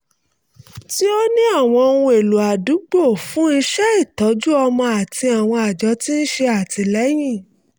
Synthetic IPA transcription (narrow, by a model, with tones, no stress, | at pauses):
ti˦o˦nĩ˦a˦˨w̃ɔ̃˧o˧nũ˧e˨lu˨a˨du˨˦ɡ͡bo˦˨fũ˨˦i˧ʃɛ˦i˦˨tɔ˨˦d͡ʒu˦ɔ˧mɔ̃˧a˨ti˧a˨w̃ɔ̃˧a˨d͡ʒɔ˨˦ti˦n̩˦ʃe˧a˨ti˧lɛ˨˦j̃ĩ˦˨